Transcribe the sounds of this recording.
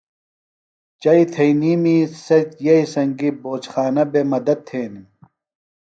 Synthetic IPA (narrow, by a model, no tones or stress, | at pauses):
t͡ɕɐit̪ʰɐiniːmisɐt͡ɕjɐisɐŋɡiboːt͡ɕxaːnɐbemɐd̪ɐt̪̚t̪ʰːeːnim